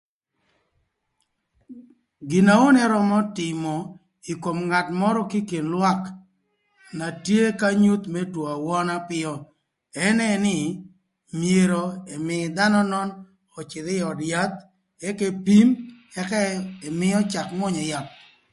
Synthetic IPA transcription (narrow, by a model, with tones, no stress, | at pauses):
ɡɪ˨na˨o˦nɛ˦ɾɔ˦mɔ˦tɪ˨mɔ˨ | i˨ko˨mŋa˨tmɔ˦ɾɔ˦ki˦ke˨nlwa˦k | na˨tje˦ka˦ɲu˦t̪mɛ˦two˨a˨wɔ˦na˦pɪ˦ɔ˦ | ɛ˦nɛ˦nɪ˦ | mje˨ɾo˨ɛ˨mɪ˨d̪a˦nɔ˦nɔ˦n | ɔ˨t͡ʃɪ˨d̪ɪ˦ɔ˨dja˦t̪̚ | ɛ˦ke˦pi˦m | ɛ˦kɛ˦ɛ˨mɪ˦ɔ˦t͡ʃa˨kmɔ˦ɲɔ˨ja˨t̚